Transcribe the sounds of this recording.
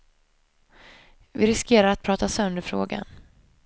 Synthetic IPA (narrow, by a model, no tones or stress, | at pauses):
vɪɾɪskeːɾaɾat̪̚pʰɾɑːt̪asœnd̪əɾfɾoːɡa̰n